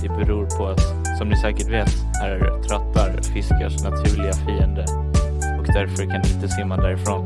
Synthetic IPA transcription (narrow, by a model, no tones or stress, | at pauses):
d̪ɛbɛɾuːɾpʰɔat̪ | sɔmnɪsɛːkəʈveːt̪ | æɾt̪ʰɾœt̪ːaɾfɪskaʂnat̪ʰʉ̟ːɭɪɡafiːənd̪ə | ɔkd̪æɾfœɾkʰand̪ɪɪnt̪əsɪːmand̪æɾɪfɾoːn